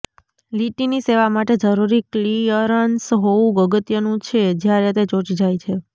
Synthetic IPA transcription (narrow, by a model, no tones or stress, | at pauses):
liʈiniseʋamaʈed͡ʒəɾuɾiklijəɾənsɦoũɡəɡət̪jənũt͡ʃʰed͡ʒjaɾet̪et͡ʃot͡ʃid͡ʒajt͡ʃʰe